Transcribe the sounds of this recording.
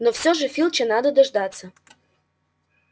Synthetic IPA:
nofsʲoʐəfʲilʲˠt͡ɕənɑd̪əd̪ɐʐd̪ɑt̪sə

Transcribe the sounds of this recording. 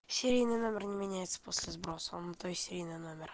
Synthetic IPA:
sʲɪɾʲijnɨjno̞mʲɪrnʲɪmʲɪnʲæjɪt̪sə̥posʲlʲɪzbɾo̞sə̰nːət̪ojʲsʲɪɾʲijnɨjno̞mʲɪr

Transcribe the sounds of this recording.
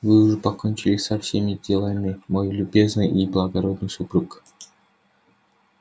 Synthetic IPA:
vɨʊʐɨpɐkonʲt͡ɕɪlʲɪsɐfsʲemʲɪdʲɪlˠamʲɪmojlʲʊbʲe̞znɨjiblˠɐɡɐɾo̞d̪nɨjsʊpɾuk

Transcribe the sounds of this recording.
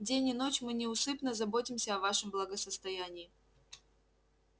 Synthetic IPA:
dʲenʲɪnot͡ɕmɨnʲɪʊsɨpnəzɐbotʲɪmsʲəɐvaʂɨmblˠəɡəsəst̪ɐjænʲɪː

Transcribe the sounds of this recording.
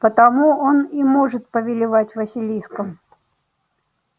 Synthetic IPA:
pət̪ɐmuo̞nimo̞ʐɨt̪̚pəvʲɪlʲɪvatʲvəsʲɪlʲijskəm

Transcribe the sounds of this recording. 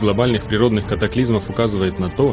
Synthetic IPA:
ɡlˠɐbalʲnɨxpɾʲɪɾo̞d̪nɨxkət̪ɐklʲizməfʊkazɨvəjɪt̪nɐt̪o̞

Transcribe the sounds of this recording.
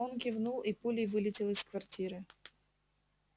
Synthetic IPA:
onkʲɪvnulˠipulʲɪjvɨlʲɪtʲɪlˠɪskvartʲiɾɨ

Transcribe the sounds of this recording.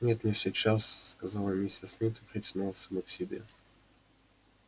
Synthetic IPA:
nʲet̪nʲesʲɪt͡ɕasːkɐzɑlˠəmʲisʲɪsmʲit̪ɨpɾʲɪtʲɪnulˠsɐmɔksʲɪbʲḛ

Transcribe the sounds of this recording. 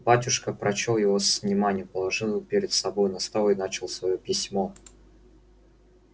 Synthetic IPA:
batʲʊʂkəpɾɐt͡ɕolˠjɪvo̞svnʲɪmanʲɪjʊpəlˠɐʐɨlˠpʲeɾʲɪd̪sɐbo̞jnɐst̪avˠɪnat͡ɕɪlˠsvɐjopʲɪsʲmo̞

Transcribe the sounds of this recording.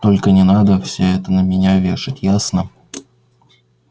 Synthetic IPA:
t̪o̞lʲkənʲɪnad̪əfsʲɵɛt̪ənəmʲɪnʲavʲe̞ʂɨtʲjasnə

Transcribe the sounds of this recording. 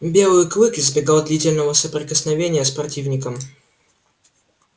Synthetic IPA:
bʲe̞lˠɨjʊklɨkɪzbʲɪɡalˠd̪lʲitʲɪlʲnəvəsəpɾʲɪkəsnɐvʲenʲɪjəspɾɐtʲivnʲɪkəm

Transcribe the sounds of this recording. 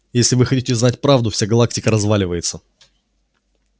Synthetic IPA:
jesʲlʲɪvɨxɐtʲitʲɪznatʲpɾavd̪ʊfsʲaɡɐlˠak̚tʲɪkəɾɐzvalʲɪvəjɪt̪sə

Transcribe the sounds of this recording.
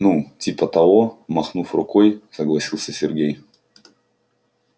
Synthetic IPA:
nutʲipət̪ɐɔmɐxnufrʊkɔjsɐɡlˠɐsʲilˠsʲəsʲɪrɡʲej

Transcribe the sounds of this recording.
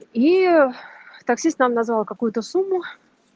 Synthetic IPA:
i | t̪ɐksʲist̪namnɐzvalˠkɐkujʊt̪əsumːʊ

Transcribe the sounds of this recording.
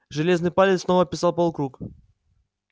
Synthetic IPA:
ʐɨlʲe̞znɨjpalʲɪt̪snovəpʲɪsalˠpolˠkɾuk

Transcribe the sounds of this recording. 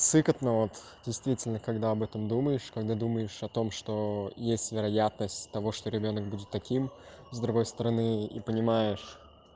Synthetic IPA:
t̪sɨkət̪nəvot̪dʲɪjst̪vʲitʲɪlʲnəkɐɡd̪aɐbɛt̪əmd̪uməjɪʂkɐɡd̪ad̪uməjɪʂɐt̪o̞mʂt̪o̞jesʲtʲvʲɪɾɐjat̪nəsʲtʲt̪ɐvo̞ʂt̪oɾʲɪbʲo̞nək̚budʲɪt̪ːɐkʲimzd̪ɾʊɡo̞jst̪əɾɐnɨḭpənʲɪmajɪʂ

